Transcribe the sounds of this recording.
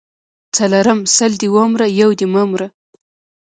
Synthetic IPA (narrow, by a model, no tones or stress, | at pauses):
t͡salaɾamsald̪iwomɾajawd̪imamɾa